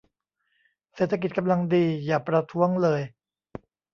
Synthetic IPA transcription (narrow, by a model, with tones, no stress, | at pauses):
seː˨˩t̪ʰːa˧ki˨˩ka˧mla˧ŋdiː˧jaː˨˩pɾa˧t̪ʰu˦˥əŋlɤː˧j